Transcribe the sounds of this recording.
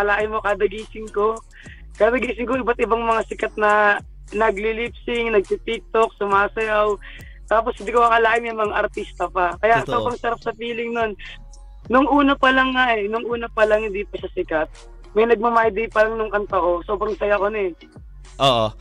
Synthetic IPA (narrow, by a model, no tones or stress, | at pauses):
ɐlaːʔɪmːokaːd̪ɐɡiːsɪŋko̞ | kaːd̪ɐɡiːsɪŋkoʔɪbat̪ʔɪbaŋmɐŋasɪkat̪̚nɐ | nɐɡlilipsɪŋnɐɡ̚pit̪ik̚t̪ok̚sʊmaːsɐjaw | t̪aːp̬oshɪnd̪ikomɐkɐlaːʔɪmjɐŋmɐŋaʔɐɾt̪ist̪ɐpɐkɐjaso̞ːbɾɐŋsɐɾap̚sɐpiːlɪŋno̞n | nʊŋʔuːnɐpɐlɐŋːaʔɛnʊŋʔuːnɐpɐlɐŋhɪnd̪ipɐʃasɪkɐt̪̚ | mɐjnɐɡ̚mɐmaːhd̪ijpɐlɐŋnʊŋkɐnt̪ɐko̞so̞ːbɾɐŋsɐjakonɛ | ʔoʔo